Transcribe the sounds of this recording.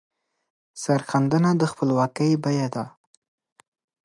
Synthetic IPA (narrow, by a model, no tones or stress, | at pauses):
saɾxand̪ənad̪əxpəlwɑkəjbajad̪a